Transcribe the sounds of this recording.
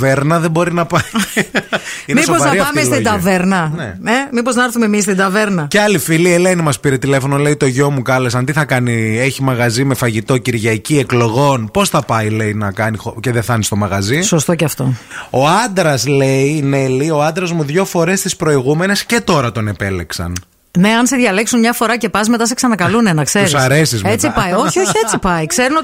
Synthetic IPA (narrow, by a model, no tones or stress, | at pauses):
veɾnɐðebo̞ɾinɐpɐi | inmeisoozvɐɐɾiɐfɐtmieslt̪id̪ɐveɾnɐnḛemipoznɐɐɾθumemis̬t̪ind̪ɐveɾnɐceɐlifiliele̞nimɐspiɾe̞t̪ile̞fo̞nole̞it̪o̞ʝo̞mukɐle̞sɐnd̪iθɐkɐnie̞çimɐɣɐzime̞fɐʝit̪o̞ciɾʝɐcie̞klo̞ɣo̞npo̞sθɐpɐijle̞inɐkɐnixoceðeθɐnist̪o̞mɐɣɐziso̞st̪o̞cɐft̪o̞o̞ɐnd̪ɾɐsleine̞lio̞ɐnd̪ɾɐzmuðʝo̞fo̞ɾe̞st̪ispɾo̞iɣume̞ne̞sce̞t̪o̞ɾɐt̪o̞ne̞pe̞le̞ksɐ̰n | ne̞ɐnseðʝɐle̞ksunmɲɐfo̞ɾɐce̞pɐsme̞t̪ɐseksɐnɐkɐlune̞nɐkse̞ɾisɐɾe̞sizmet͡sipɐjoçio̞çiet͡sipɐikse̞ɾuno